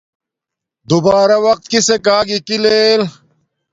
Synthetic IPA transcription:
d̪ubaːɾɐwɐq̚t̪̚kisekaːɡikileːl

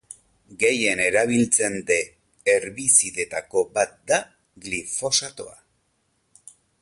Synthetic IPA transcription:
ɡe̞je̞ne̞ɾaβ̞ilt͡se̞nd̪e̞ː | ɾβisiðe̞t̪ako̞bat̪̚d̪a | ɣlifo̞sat̪o̞̰a̰

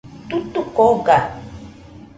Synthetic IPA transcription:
t̪ut̪ukoɡa

